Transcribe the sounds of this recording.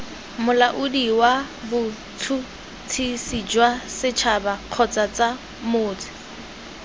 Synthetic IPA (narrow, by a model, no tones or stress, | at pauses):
mʊlaʔʊdiwa | bʊ | tʰu | tʰisid͡ʒwasɪt͡ʃʰabaq͡χʰɔt͡sat͡sa | mʊːt͡sʰɪ̥